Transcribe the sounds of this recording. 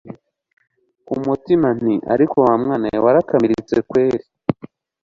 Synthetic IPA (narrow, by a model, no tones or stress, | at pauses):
umutiman̥iʔa̰ɾiko̞wamŋaːnawaɾakamiɾit͡se̞kwe̞ːɾi